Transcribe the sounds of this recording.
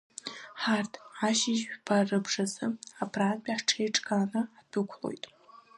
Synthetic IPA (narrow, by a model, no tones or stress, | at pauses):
ħartʰaʃiʒpʰarɨbʐazɨapʰraːnbʲʼaħʈ͡ʂʰejʈ͡ʂʼkʰanɨad̥ɨkʷʰlo̞̰jtʼ